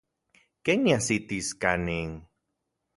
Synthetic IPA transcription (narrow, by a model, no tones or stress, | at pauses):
keŋjasit̪iskaniŋ